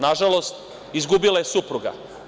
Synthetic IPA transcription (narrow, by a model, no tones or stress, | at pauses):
naʒalo̞st̪ | izɡubilajesupɾuɡa̰